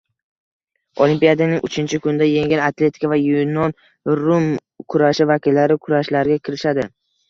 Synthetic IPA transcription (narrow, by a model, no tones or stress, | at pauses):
olimpijad̪anɪŋʊ̰t͡ʃʰɪnt͡ʃʰɪkʰʊnɪd̪ajeŋanat̪ʰle̞t̪ʰɪ̥kavajunɒn | ɾʊm | kʰʊɾaʃɪvakʲɪlːaɾɪkʰʊɾaʃlaɾɡʲakʲʰɪɾɪʃad̪ɪ